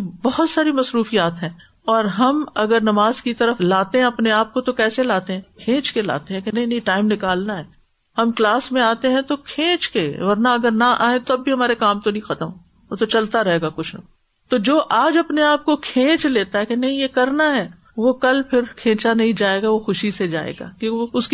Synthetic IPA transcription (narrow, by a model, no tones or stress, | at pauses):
bɔɦʊt̪saːɾimɐsɾuːfijaːt̪ɦɛ̃ː | ɔːɾɦɐmɐɡəɾnɐmaːzkit̪ɐɾəflaːt̪eɦɛ̃ɐpneaːp̚kot̪okɛːselaːt̪eɦɛ̃kʰẽːt͡ʃkela̰ːt̪eɦɛ̃kenɐɦĩnɐɦĩʈaːɪmnɪkaːlnaɦɛː | hɐmklaːsmẽaːt̪eɦɛ̃t̪okʰẽːt͡ʃkeʋɐɾnaɐɡəɾnɐʔaːẽt̪oɐbːʱiɦɐmaːɾekaːmt̪onɐĩxɐt̪əmɦoː | t̪ot͡ʃɐlt̪aɾɐɦeːɡakʊt͡ʃʰnɐ | t̪od͡ʒoːʔaːd͡ʒɐpneaːp̚kokʰẽːt͡ʃleːt̪aɦɛkenɐɦĩjekɐɾnaɦɛː | ʋokɐlpʰɪɾkʰẽːt͡ʃanɐɦĩd͡ʒaːeːɡaʋoxʊʃised͡ʒa̰ːḛːɡa̰ːkõːkʊski